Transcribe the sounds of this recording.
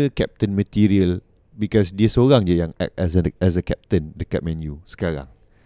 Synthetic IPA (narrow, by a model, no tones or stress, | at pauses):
kɛp̚t̪ə̃nmət̪iɾiəl | bikɔsdiəsoɾaŋd͡ʒəjãŋɛ̰k̚tɛsəɛs̬əkɛp̚t̪ə̃ndəkat̚mɛ̃njusə̥kaɾã̰ŋ